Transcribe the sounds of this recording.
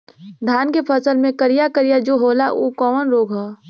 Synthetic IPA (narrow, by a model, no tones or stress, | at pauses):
d̪ʱaːnkepʰəsəlmẽkəɾijakəɾijad͡ʒoːɦoːlaʔuːkɔːmənɾoːɡɦoː